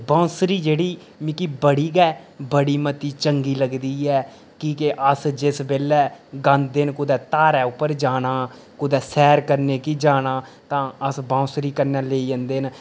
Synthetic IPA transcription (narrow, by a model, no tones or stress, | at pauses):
bãːsɾiːd͡ʒeːɽiː | mĩkiːbəɽiːɡɛːbəɽiːmət̪iːt͡ʃəŋɡiːləɡd̪iːɛː | kikeʔəsd͡ʒɪsbeːlɛːɡãːnd̪enkʊd̪ɛːt̪aːɾɛːʊpːəɾd͡ʒaːɽ̃aː | kʊd̪ɛːsɛːɾkəɾneːkiːd͡ʒaːnaː | t̪ãːəsbãːsɾiːkəɾnɛːleːid͡ʒə̃nd̪eːn